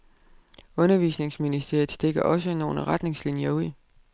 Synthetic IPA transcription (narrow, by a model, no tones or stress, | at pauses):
ɔ̽nɐʋiːsne̝ŋsminisd̥e̝ɐ̰ð̩ˠsd̥e̝ɡ̥ɐʔɒ̽s̬əno̝ːləʁad̥ne̝ŋslinjɐuð̰ˠ